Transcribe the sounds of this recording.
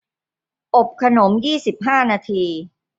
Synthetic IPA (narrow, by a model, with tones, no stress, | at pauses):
ʔo˨˩p̚kʰa˧no˩˦mjiː˥˩si˨˩p̚ɦaː˥˩naː˧t̪ʰiː˧